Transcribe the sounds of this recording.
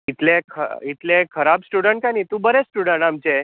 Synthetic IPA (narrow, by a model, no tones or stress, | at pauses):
it̪lẽkʰə̰it̪lekʰəɾabsʈuɽəɳʈ̚kanit̪ũbəɾesʈuɽəɳʈamt͡ɕe